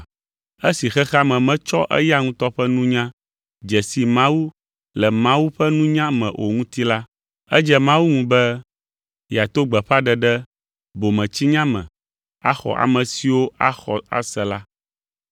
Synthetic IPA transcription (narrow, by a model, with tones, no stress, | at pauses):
e˦si˨xɛ˦xa˦mɛ̃˨mɛ̃˦t͡ʃɔ˦ʔɛ̰˦ja˦ŋũ˦t̪ɔ˦ɸɛ˦nũ˦ɲã˦ | d͡ʒɛ˨si˨mã˦wu˦ | lɛ˨mã˦wu˦ɸɛ˦nũ˦ɲã˦mɛ̰̃˨ʔo˨ŋũ˦t̪i˦la˦ | ɛ˦d͡ʒɛ˦mã˦wu˦ŋũ˨bɛ˦ | ja˨t̪o˦ɡ͡bɛ˨ɸa˦ɖɛ˨ɖɛ˦ | bo˨mɛ̃˨t͡ɕi˦ɲã˦mɛ̰̃˨ | a̰˦xɔ̰˨ʔa̰˨mɛ̃˨si˨wo˦a˦xɔ̰˨a̰˦sɛ˨la˦